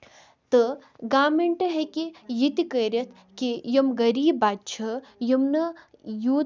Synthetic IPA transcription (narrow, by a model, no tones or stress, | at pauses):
t̪ɨɡaːmeɳʈɐɦekijit̪ikəɾʲjɐt̪ʰ | kijɐmɡɐɾiːbaːt͡ʃʰɐjɐmnɐ | juː